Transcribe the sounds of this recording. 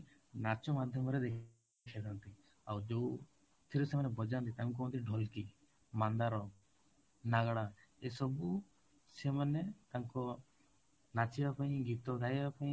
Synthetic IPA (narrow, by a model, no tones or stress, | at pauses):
nat͡ʃɔmad̪ʱjɔmɔɾɛd̪ek | kʰɛd̪ant̪i | awd͡ʒo | t̪ʰiɾusemanɛbɔd͡ʒant̪it̪aŋk̬ɔɔnt̪iɖʱɔlki | mand̪aɾɔ | naɡɽaesɔbu | semanet̪aŋkɔ | nat͡ʃibapaĩɡit̪ɔɡajbapaĩ